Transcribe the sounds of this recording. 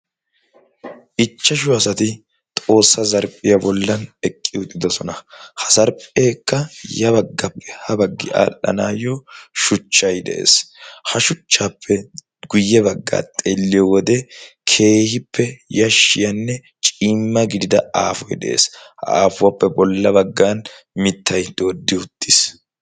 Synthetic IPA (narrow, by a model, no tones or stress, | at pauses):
ʔɪt͡ʃːɐʃʊɐsɐt̪ɪ | t̪ʼo̞ːsːɐzɐɾpʼɪjɐbɔlːɐnɛkʼːɪʊt̪ʼːɪd̪ɔsɔnɐhɐ̥zɐɾpʼeːkːɐjɐβɐɡːɐpːɛ̥hɐbɐɡːɪa̰ːlːɐ̰naːjɔʃʊt͡ʃːɐjd̪ɛ̰ʔḛːshɐʃʊt͡ʃːaːpʰːɛ | ɡʊjːɛbɐɡːa̰ːt̪ʼelːɪjɔwɔd̪ɛkʰe̞ːhɪpːɛjɐʃːɪjɐnːɛ | t͡ʃʼiːmːɐɡɪd̪ɪd̪ɐaːfɔjd̪ɛ̰ʔḛːsʔa̰ːfʊwɐpːɛbɔlːɐbɐɡːaːn | mɪt̪ːɐjd̪o̞ːd̪ːɪʊt̪ːɪs